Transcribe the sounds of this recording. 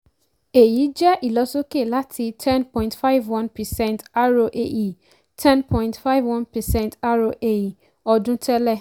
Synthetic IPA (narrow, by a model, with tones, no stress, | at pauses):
e˨ji˨˦d͡ʒɛ˦ʔi˨lɔ˨˦so˦ke˦˨la˦tʰi˧tʰɛ̃˦npɔ̃˨jĩntfa˦ɪ˦vwɔ̃˦npɛ˨sɛ̃˦˨nta˦ɾo˧ʔe˨ji˨ | tʰɛ̃˦npʰɔ̃˦jĩ˨ntfa˦ɪ˦vwɔ̃˦npɛ˨sɛ̃˦˨nta˦ɾo˧ʔe˨ji˨ | ɔ˧dũ˦tɛ˦lɛ˦˨